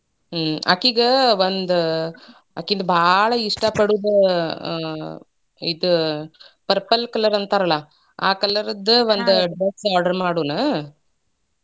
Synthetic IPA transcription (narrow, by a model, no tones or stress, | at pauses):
ɐ̰kiɡɐʋond̪u | ɐ̰kːind̪ɐbʱaːɭɐiʂʈɐpɐɽud̪ɐ | id̪u | pɐɾpɐlkɐlːɐɾɐnt̪aɾɐlɐ | a̰ːkɐlːɐɾɐd̪ɐʋond̪uɖɾɐssaːɾɖɐɾmaːɽuːnɐ